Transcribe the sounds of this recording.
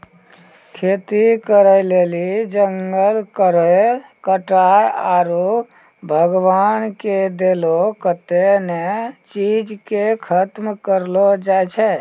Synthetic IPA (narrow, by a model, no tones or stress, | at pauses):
kʰet̪ikəɾəlelid͡ʒəŋɡəlkəɾə | kəʈajaɾu | bʱəɡwanked̪elokət̪enet͡ʃid͡ʒkekʰət̪mkəɾlod͡ʒajt͡ʃʰɛ